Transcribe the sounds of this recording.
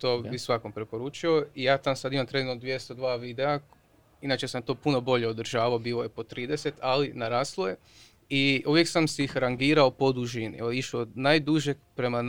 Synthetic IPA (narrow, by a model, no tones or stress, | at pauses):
t̪oːbisʋakompɾepo̞ɾuːt͡ʃio̞ijaːt̪amsad̪imamt̪ɾenod̪ʋje̞st̪od̪ʋaːʋid̪ea | inaːt͡ʃesamt̪o̞ːpuno̞bo̞ʎeod̪r̩ʒaːʋaobiːlˠojepo̞t̪ɾiːd̪e̞se̞t̪ʰalinaɾaːslˠoje | iuʋjeksamseixɾaŋɡiːɾaopo̞d̪uʒinḭoiʃood̪najd̪uʒepɾe̞man